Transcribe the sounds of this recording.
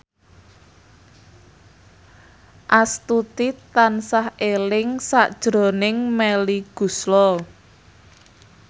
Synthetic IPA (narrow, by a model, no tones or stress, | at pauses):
ʔast̪ut̪it̪ansahelɪŋsaʔd̥ʒ̥ɾo̤nɪŋmɛliɡ̥ṳslɔ